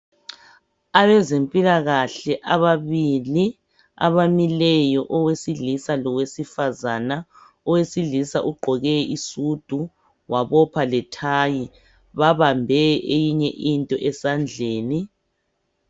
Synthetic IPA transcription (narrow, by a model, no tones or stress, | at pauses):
aβɛzempʼilaɣaɬɛʔaβaβili | a̰βamilɛjɔʔɔwesiɮisalɔɣwesifazana | ɔwesilisaʔuɡ͡ǃʱɔɣɛisud̥ʱu | waβɔpʰalɛtʰaji | βaβambʱɛʔejiɲɛʔintʼɔʔɛsand͡ɮʱeːni